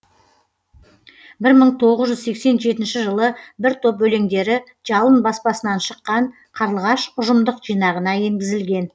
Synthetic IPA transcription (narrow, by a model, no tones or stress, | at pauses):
bɪɾməɴt̪ʰo̞ʁəzʒʏzse̞kse̞nʒe̞t̪ɪnʃɪʒəlˠəbɪɾt̪ʰo̞pbɵle̞ŋd̪e̞ɾɪ | ʒɑlˠənbɑspɑsənɑnʃəqːɑɴ | qʰɑɾəlˠʁɑʃʊʒəmd̪əqʒ̥ijnɑʁənɑje̞ŋɡʲɪzɪlɡʲe̞n